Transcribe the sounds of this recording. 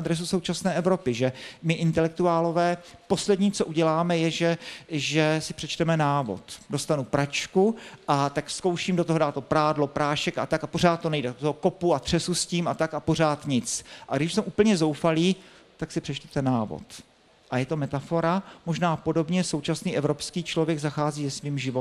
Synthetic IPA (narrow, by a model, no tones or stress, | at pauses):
d̪ɾɛs̬uso̞wt͡ʃasnɛːʔɛvɾo̞pɪʒɛmɪʔɪnt̪ɛlɛk̚t̪uaːlo̞vɛːpo̞slɛdɲiːt͡soʔuɟɛlaːmɛjɛʒɛʒɛsɪpr̝̥ɛt͡ʃt̪ɛmɛnaːvo̰t̪do̞st̪anupɾat͡ʃkuʔat̪akfskowʃiːmdo̞t̪oɦodaːt̪opɾaːdlo̞pɾaːʃɛka̰t̪akapor̝aːt̪̚t̪ːo̞nɛjdɛot̪oɦoko̞puat̪r̝̥ɛsusciːmat̪akapo̞r̝aːt̪ɲɪt͡sʔaɡdɪʃsɛmʔuːpl̩ɲɛzo̞wfaliː | t̪aksɪpr̝̥ɛt͡ʃt̪ɛ̥t̪ɛnaːvo̰t̪ | ʔajɛt̪o̞mɛt̪afo̞ɾamo̞ʒnaːpo̞do̞bɲɛso̞wt͡ʃasniːʔɛvɾo̞pskiːt͡ʃlo̞vjɛɡzaxaːziːzɛsviːmʒɪvo